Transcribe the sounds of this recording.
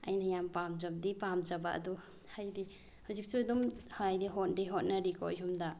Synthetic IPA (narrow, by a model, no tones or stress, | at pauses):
a̰jnajampamzab̚dipamzaba̰ʔɐ̰dɔ | hajdi | hawzik̚sudɔmhjdiɦɔt̚diɦɔt̚naɾikɔ̰jɦumda